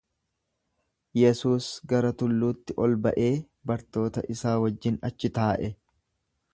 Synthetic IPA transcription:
jɛsuːsɡɐɾɐt̪ʊlːuːt̪ːɪʔɔlbɐʔe̞ː | bɐɾt̪o̞ːt̪ɐʔɪsaːwɐd͡ʒːɪnɐt͡ʃːɪt̪aːʔɛ

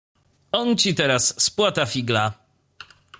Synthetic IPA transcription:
ɔnt͡ɕit̪ɛɾasːpwat̪afʲiɡla

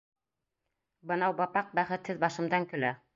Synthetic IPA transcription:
bɤnɑwbɑpɑq̚bæχɘ̆t̪hɘðbɑʃɤ̆md̪ɑŋkɵ̆læ

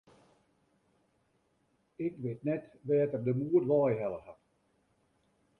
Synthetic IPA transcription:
ɪkʋɪtnɛtʋɛːtərdəmuərʋɑːjɦɛləhat

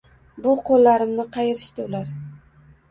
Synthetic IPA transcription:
bʊqʰolːaɾɪmnɪqʰɑjɪɾɪʃt̪ɪʊlaɾ

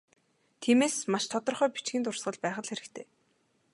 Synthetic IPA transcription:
t̪ʰiːmeːsmaʃt̪ʰɔt̪ɞ̆rχœːpi̥t͡ɕɡĭnt̪ʊrsʁə̆ɮpæːχə̆ɮxeɾɘ̆kt̪ʰeː

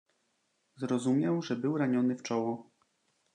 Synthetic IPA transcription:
zɾɔzumʲjɛwʐɛbɘwɾaɲɔnɘft͡ʂɔwɔ

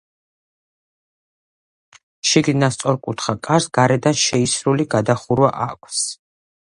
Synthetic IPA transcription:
ʃiɡlinast̪sʼɔɾkʼut̪ʰχakʼaɾsɡaɾɛd̪anʃɛisɾuliɡad̪aχuɾwa̰ʔakʷʰs

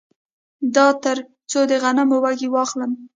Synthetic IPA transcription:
d̪ɑt̪əɾ | t͡sod̪əɣanamowaɡiwɑxləm

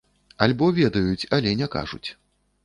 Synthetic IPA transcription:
ɐlʲbɔvʲɛd̪ɐjut͡sʲɐlʲɛnʲɛka̰ʐṵt͡sʲ

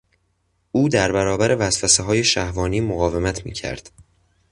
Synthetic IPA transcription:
uːd̪æɾbæɾɒːbæɾʔe̞væsfæseɦɒːje̞ʃæhvɒːniːmoɣɒːve̞mæt̪ʰmḭːcʰæ̰ɾd̪̥

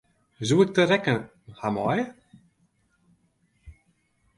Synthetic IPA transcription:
zuːɪk̚t̪əɾɛkə | hamɔ̰j

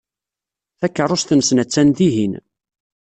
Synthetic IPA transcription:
θækːərˤːʊst̪ənsnæt͡sːænðiɦin

